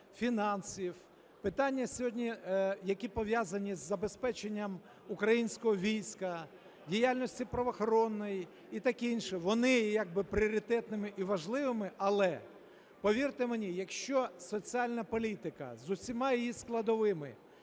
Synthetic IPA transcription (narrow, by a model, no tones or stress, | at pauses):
fʲinɑnsʲiw | pɪt̪ɑnʲːɐsʲɔɦɔdʲnʲijɐkʲipɔʋjazɐnʲizːɐbe̞spɛt͡ʃenʲːɐm | ukɾɐjinʲsʲkɔɦɔʋʲijsʲkɐ | dʲijalʲnɔsʲtʲipɾɔʋɔxɔɾɔnːɔjiː | t̪ɑkinʲʃɛʋɔnɪjaɡ̚bɪpɾʲɪɔɾʲɪt̪ɛt̪nɪmɪʔiʋɐʒlˠɪʋɪmɪʔɐlˠɛ | pɔʋʲirt̪ɪmenʲijɐkʃt͡ʃɔsɔt͡sʲialʲnɐpɔlʲit̪ɪkɐ̰zʊsʲimɑjijisklˠɐd̪ɔʋɪmɪ